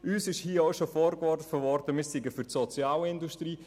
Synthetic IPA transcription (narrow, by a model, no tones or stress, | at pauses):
yːsɪʃhiːəoʊʃofoːɾɡɔfəvɔɾdəmiːsiɡəfyɾtsɔt͡sjaːlɪnduʃtriː